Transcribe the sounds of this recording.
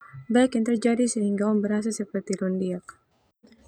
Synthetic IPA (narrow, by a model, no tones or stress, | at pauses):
baikjaŋt̪ərd͡ʒadisəɦiŋɡaɔmbəɾɦas̬asəpərt̪ilɔndiak̚